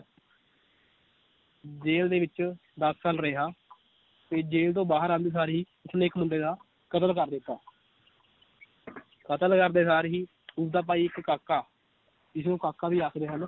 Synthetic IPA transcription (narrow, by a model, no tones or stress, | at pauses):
d͡ʒeːld̪eːʋɪt͡ʃ | d̪əsːaːlɾeɦaː | t̪eːd͡ʒeːlt̪õːbaːɦəɾãːnd̪eːs̬aːɾɦiː | ʊsnẽːkmʊɳɖeːd̪aː | kət̪əlkəɾd̪ɪt̪ːaː | kət̪əlkəɾd̪eːsaːɾɦiː | ʊsd̪aːp̬aːiːɪkːaːkːaː | ɪsõːkaːkːaːbiːaːkʰd̪eːɦəl